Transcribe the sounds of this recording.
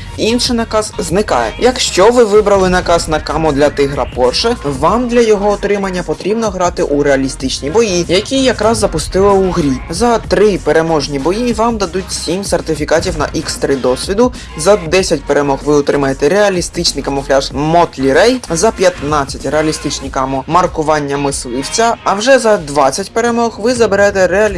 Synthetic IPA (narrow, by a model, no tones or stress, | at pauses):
inʃɪnɐkɑz̥znɪkɑ̰jɛ̰jɐkʃt͡ʃɔʋɪʋɪbɾɐlˠɪnɐkɑznɐkɑmɔd̪lʲɐt̪ɪɦɾɐpɔrʃɛʋɑmd̪lʲɐjɔɦɔːt̪ɾɪmɐnʲːɐpɔt̪ɾʲibnɔɦɾɑt̪ɪʔuɾeɐlʲist̪ɪt͡ʃnʲibɔjijɐkʲijɐkɾɑzːɐpʊst̪ɪlˠɪuɦɾʲizɐt̪ɾɪpeɾe̞mɔʒnʲibɔjiʋɑmd̪ɐd̪utʲsʲimsert̪ɪfʲikɑtʲiwnɐ̰ʔikst̪ɾɪd̪ɔsʲʋʲid̪ʊ | zɐd̪ɛsʲɐtʲpeɾemɔɣʋɪɔt̪ɾɪmɐjet̪ɛɾeɐlʲist̪ɪt͡ʃnɪjkɐmɔflʲaʒmɔt̪lʲiɾɛjzɐpʲjɐt̪nɑt͡sʲːɐtʲreɐlʲist̪ɪt͡ʃnʲikamɔmɐrkʊʋɑnʲːɐmɪslˠɪwt͡sʲɐːwʒɛzɐd̪ʋɑt͡sʲːɐtʲpeɾemɔɣʋɪzɐbeɾɛt̪ɛɾeɐlʲ